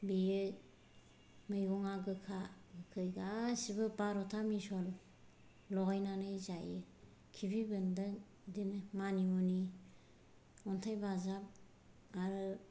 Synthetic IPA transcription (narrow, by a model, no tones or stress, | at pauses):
bijɯ | mɯjɡɔŋaɡɯkʰa | ɡɯkʰɯjɡasibɯbaɾɔtʰamisɔl | lɔɡajnanɯjzajɯ | kʰibibɯndɯŋ | dinmanimɔni | ɔntʰajbazap̚ | aɾɯ